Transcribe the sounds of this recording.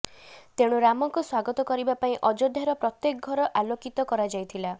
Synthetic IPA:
t̪eɽ̃uɾamɔŋkuswaɡɔt̪ɔkɔɾibapaĩʔɔd͡ʒɔd̪ʱaɾɔpɾɔt̪jekɔɡʱɔɾɔʔalokit̪ɔkɔɾad͡ʒajt̪ʰila

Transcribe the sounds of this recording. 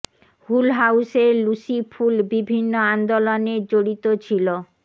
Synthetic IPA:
hulɦawseɾlusifʰulbibʱinːoand̪oloneɾd͡ʑoɽit̪ot͡ɕʰilo

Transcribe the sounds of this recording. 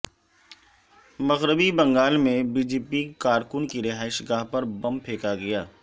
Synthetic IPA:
mɐɣɾəbibɐ̃ŋɡaːlmẽbiːd͡ʒeːpikaːɾkʊnkiɾɪɦaːɪʃɡaːɦpɐɾbɐ̃mpʰeːkaɡɐjaː

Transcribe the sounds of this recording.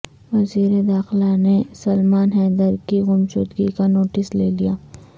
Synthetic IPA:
ʋɐziːɾed̪aːxɪlanesɐlmaːnɦɛːd̪əɾkiɣʊmt͡ʃo̰ːd̪ɡikanoːʈɪsleːlijaː

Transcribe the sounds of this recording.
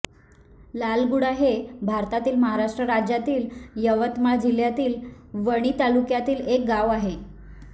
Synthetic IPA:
lalɡuɽaɦebʱaɾt̪at̪iːlməɦaɾaʂʈɾəɾad͡ʑjat̪iːljəʋət̪mad͡ʑil̤jat̪iːlʋəɽ̃iːt̪alukjat̪iːlek̚ɡaʋaɦe

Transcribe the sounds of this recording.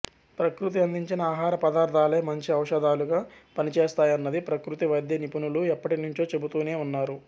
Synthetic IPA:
pɾɐkɾut̪̬iɐnd̪iɲt͡ʃinɐaːɦaːɾɐpɐd̪aːɾt̪ʰaːleːmɐɲt͡ʃiɐwʂɐd̪aːluɡaːpɐnit͡ʃeːst̪aːjɐnːɐd̪ipɾɐkɾut̪iʋɐjd̪jɐnipunuluɛpːɐʈinuɲt͡ʃo̞ːt͡ʃe̞but̪uːneːunːaːɾu

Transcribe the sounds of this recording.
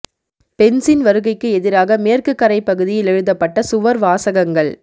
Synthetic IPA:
pɛnsɪnʋɐɾɯɣɐɪkːɯɛðɪɾaːɣɐmeːrkɯkːɐɾɐɪpːɐɣɯðɪjɪlɛɻɯðɐpːɐʈːɐsʊʋɐɾʋaːsɐɣɐŋɡɐɭ

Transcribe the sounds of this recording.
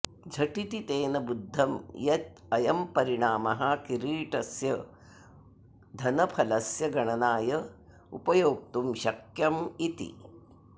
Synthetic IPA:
d͡ʒʱɐʈit̪it̪eːnɐbud̪ʱːɐmjɐt̪̚ɐjɐmpɐɾiɳaːmɐɦɐkiɾiːʈɐsjɐ | d̪ʱɐnɐpʰɐlɐsjɐɡɐɳɐnaːjɐ | ṵpɐjoːk̚t̪umʃɐkjɐmit̪ḭ

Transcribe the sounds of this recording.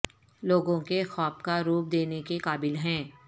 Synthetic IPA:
loːɡõkexɔːpkaɾuːp̚d̪eːnekekaːbɪlɦɛ̃ː

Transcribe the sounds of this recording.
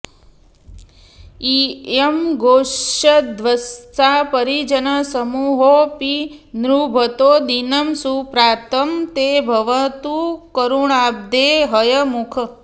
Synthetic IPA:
iemɡoəd̪ʋəst̪apəɾid͡ʒənəsəmuɦopinɾubʱət̪od̪inəmsupɾaːt̪əmt̪ebʱəʋət̪ukəɾuɳab̚d̪eɦəjəmukʰə

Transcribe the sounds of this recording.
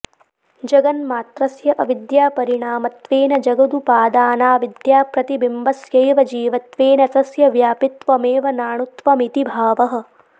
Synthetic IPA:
d͡ʒɐɡɐnmaːt̪ɾɐsjɐʔɐʋid̪jaːpɐɾiɳaːmɐt̪ʋeːnɐd͡ʒɐɡɐd̪upaːd̪aːnaːʋid̪jaːpɾɐt̪ibimbɐsjɐjʋɐd͡ʒiːʋɐt̪ʋeːnɐt̪ɐsjɐʋjaːpit̪ʋɐmeːʋɐnaːɳut̪ʋɐmit̪ibʱaːʋɐɦɐ̆

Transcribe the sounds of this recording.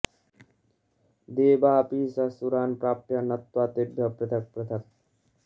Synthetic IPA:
d̪eːbapiːsasuɾaːnpɾaːpjanɐt̪waːt̪ebʱjɐpɾet̪ʰɐk̚pɾet̪ʰɐk̚

